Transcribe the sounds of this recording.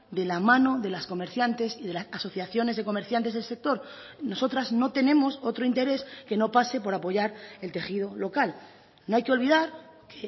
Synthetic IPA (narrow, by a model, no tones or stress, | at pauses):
d̪e̞lamãno̞ðe̞lasko̞me̞ɾθjant̪e̞siðe̞lasaso̞θjaθjo̞ne̞zðe̞ko̞meɾθjant̪e̞ze̞lse̞k̚t̪o̞ɾno̞so̞t̪ɾazno̞t̪e̞ne̞moso̞t̪ɾoint̪e̞ɾe̞ske̞no̞pase̞po̞ɾapo̞ʝaɾe̞lt̪e̞xið̞o̞lo̞kal | no̞ajkeo̞lβið̞aɾ | kʰe